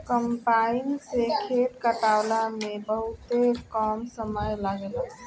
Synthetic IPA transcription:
kəmpainsekʰeʈkəʈawlamebəɦut̪ekəmsəməjlaɡel

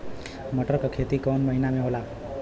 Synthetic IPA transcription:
mʌʈʌrkokʰet̪ikʌmmʌɦinameɦola

